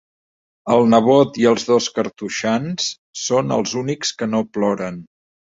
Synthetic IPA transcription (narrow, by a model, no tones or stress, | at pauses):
əlˠnəβot̪iəlˠzðoskəɾt̪uʃans | sonə̰lˠzunikskənoplɔɾən